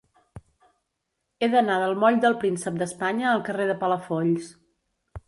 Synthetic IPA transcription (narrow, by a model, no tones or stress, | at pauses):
eðənaðəlˠmɔʎd̪əlˠpɾinsəp̚d̪əspaɲəːlˠkəreðəpələfoʎs